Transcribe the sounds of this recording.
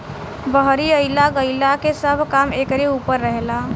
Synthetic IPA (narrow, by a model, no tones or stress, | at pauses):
bəɦɾiəɪjlaɡəɪlakesəbʱkamekɾeupəɾːəɦela